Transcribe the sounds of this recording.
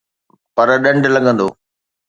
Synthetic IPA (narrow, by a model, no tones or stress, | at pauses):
pɐɾɗɐ̃ɳɖlɐɠə̃nd̪o̰ː